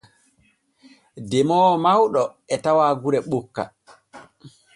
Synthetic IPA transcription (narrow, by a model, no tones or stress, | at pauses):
dɛmɔːmawɗɔ | ɛtawaɡuɾɛɓokːa̰